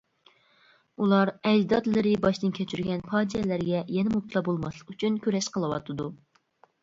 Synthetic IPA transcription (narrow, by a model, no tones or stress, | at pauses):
ulˠɑɾɛjd̪ɑd̪lˠɨɾɨbɑʃt̪ɨnkʲʰɛt͡ʃʰyɾɡʲɛnpʰɑːd͡ʒijɛlæɾɡʲɛjɛnɪmup̚t̪ʰɨlˠɑbolˠmɑslˠə̥qyt͡ʃʰynkʲʰøɾɛʃqəlˠɨwɑ̰t̪ʰɨd̪u